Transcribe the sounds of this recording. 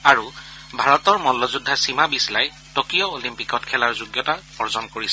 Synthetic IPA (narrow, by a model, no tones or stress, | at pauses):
aɹu | bʱaɹɔtɔɹmɔlɔzudʱːasimabislaj | tokijɔolimpikɔtkʰɛlaɹzuɡjɔta | ɔɹzɔnkoɹisɛ̥